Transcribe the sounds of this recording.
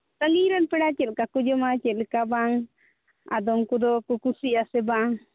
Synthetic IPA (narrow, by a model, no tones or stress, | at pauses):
t̪aŋiɾanpɛɽat͡ʃɛlkakud͡ʒɔmat͡ʃɛlɛkabaŋ | a̰d̪ɔmkud̪ɔkukusiasɛbaŋ